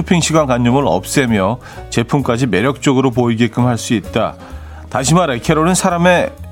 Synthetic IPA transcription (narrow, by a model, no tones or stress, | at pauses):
upʰiŋɕʰiɡwankaɲd͡ʑʌmɯɾʌ̰p̚s͈emjʌ | t͡ɕe̞pʰumk͈ad͡ʑime̞ɾjʌk̚t͡ɕ͈oɡɯɾopoiɡek͈ɯmhaɭs͈uit̚t͈a | taɕʰimaɾekʰeɾoɾɯnsʰaɾame̞